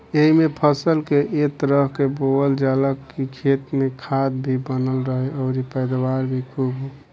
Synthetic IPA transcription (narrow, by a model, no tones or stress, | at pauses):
eɦimepʰəsəlkeʔet̪əɾəɦkeboəld͡ʒaləkːikʰet̪mekʰad̪bʱibənəlɾəɦeoʊɾipəɪd̪waɾbʱikʰubo